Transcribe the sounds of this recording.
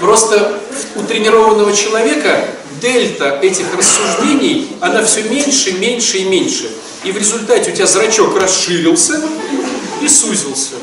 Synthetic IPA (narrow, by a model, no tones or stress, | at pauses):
pɾo̞st̪əʊt̪ɾʲɪnʲɪɾo̞vənːəvət͡ɕɪlˠɐvʲe̞kə | d̪ɛlʲt̪əɛtʲɪxrəsːʊʐdʲenʲɪjɐnafsʲɵmʲenʲʂɨmʲenʲʂɨimʲenʲʂɨ | ivɾʲɪzʊlʲt̪atʲɪʊtʲɪazɾɐt͡ɕo̞krɐsʂɨɾʲɪlˠsʲə | isuzʲɪlˠsʲə